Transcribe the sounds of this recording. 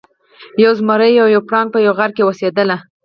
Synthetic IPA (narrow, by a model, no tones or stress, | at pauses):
jawzmaɾəjawjawpɽɑŋɡ̚pəjawɣaɾkewosed̪əla